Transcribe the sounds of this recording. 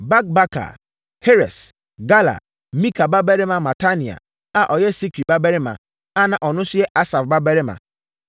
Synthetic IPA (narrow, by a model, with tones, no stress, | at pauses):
ba˦k̚ba˦ka̰˨ | he˦ɾɛ˨s | ɡa˦la̰˨ | mĩ˦kʰa˨ba˦bɛ˦ɾɪ˦mã˨ma˨ta˦ni˨a̰˨ | a˨ʔɔ˨jɛ˦si˦kɾi˨ba˦bɛ˦ɾɪ˦mã̰˨ | a˦nã˨ʔɔ˨nʊ̃˦sɪ˦ɛ˦ʔa˦sa˨fba˦bɛ˦ɾɪ˦mã̰˨